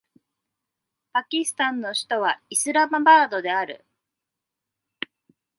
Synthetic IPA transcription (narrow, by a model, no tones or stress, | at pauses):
pakʲisɨ̥t̪ãnːo̞ɕi̥t̪o̞βaisɨɾamabaːd̪o̞d̪e̞aɾɯ̟̰